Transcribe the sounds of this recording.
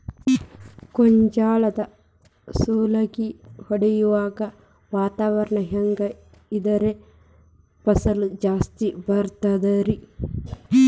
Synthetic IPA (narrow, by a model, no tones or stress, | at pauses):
koɲd͡ʒaːɭɐd̪ɐ | suːlɐɡihɔɽejuʋaːɡɐ | ʋaːt̪aːʋɐɾɐɳɐɦɐŋɡɐ | id̪ɐɾe | pɐsɐlud͡ʒaːst̪ibɐɾt̪ɐd̪ɐɾi